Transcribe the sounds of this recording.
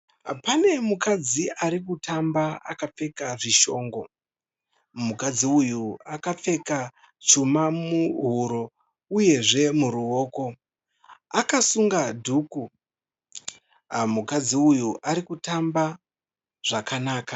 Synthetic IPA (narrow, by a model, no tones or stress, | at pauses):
pane̞mukad͡ziʔaɾikutʰambaa̰kap͡fe̞kaʐiʃo̞ːŋɡo̞ | mukad͡ziujuakap͡fe̞ka | t͡ʃumamuɦuɾo̞ | uje̞ʐe̞muɾuo̞ːko̞ | akasuŋɡadʱuːku | mukad͡ziujuʔaɾikutamba | ʐ̥akanaːka